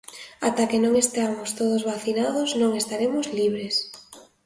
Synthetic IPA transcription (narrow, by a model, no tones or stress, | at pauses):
at̪akenõŋest̪amost̪oð̞ozβaθinaðoznõŋest̪aɾemʊzliβ̞ɾes